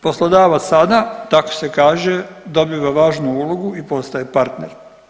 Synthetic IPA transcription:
po̞slˠod̪aːʋat̪ssad̪at̪ako̥sekaːʒed̪o̞biːʋaʋaːʒnuuːlˠoɡuipo̞st̪ajepaɾt̪nḛɾ

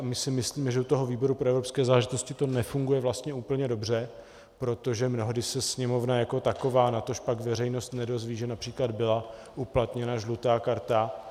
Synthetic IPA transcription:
mɪsɪmɪsliːmɛʒɛut̪oɦo̞viːbo̞ɾupɾoɛvɾopskɛːzaːlɛʒɪt̪o̞scɪt̪o̞nɛfuŋɡujɛvlast̪ɲɛuːpl̩ɲɛdo̞br̝ɛ | pɾo̞t̪o̞ʒɛmno̞ɦdɪsɛsɲɛmo̞vnajako̞t̪ako̞vaːnat̪o̞ʃpakvɛrɛjno̞st̪nɛdo̞zviːʒɛnapr̥iːklad̪bɪla | ʔuplat̪ɲɛnaʒlut̪aːkaɾt̪a

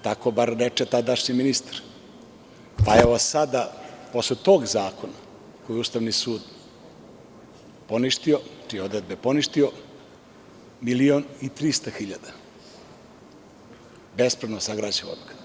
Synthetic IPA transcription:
t̪ako̞baɾɾet͡ʃet̪ad̪aʂɲiminist̪ḁɾ | paeʋosad̪apo̞slet̪oɡzaːko̞na | kojiust̪aʋnisuːd̪ | po̞niʃt̪io̞t͡ʃijeo̞d̪ɾed̪̚bepo̞niʃt̪io̞ | milionit̪ɾist̪axiʎad̪a | bespɾed̪nosaɡɾad͡ʑeʋonk

